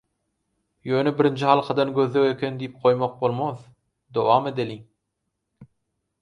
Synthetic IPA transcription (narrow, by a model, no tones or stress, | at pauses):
jøːnebɪɾind͡ʒʰɪhɑlˠqʰɑd̪ɑnɡʲøðːewekʲʰend̪ijip̚qʰojmoq̚bolˠmoð | d̪owɑːmed̪elʲiŋ